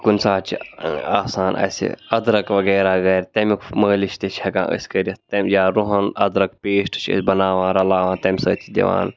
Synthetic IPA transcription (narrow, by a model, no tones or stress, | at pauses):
kunʲsaːt͡ʃʰiaːsaːnɐ̰sʲḭɐd̪ɾɐkʋɐɡɛːɾaːɡɐɾʲt̪ɐmʲikməːlit͡ʃʰt̪it͡ʃʰʲhɐkã̰ːʔə̰sʲkəɾʲit̪ɐmʲjaːɾuɦɐnɐ̰d̪ɾɐkpeːʃʈɨ̥t͡ʃʰə̰sʲbɐnaːʋãːɾɐlaːʋaːnt̪ɐmʲsɐ̰ːt͡ʃʰid̪ʲɐ̰ʋa̰ːn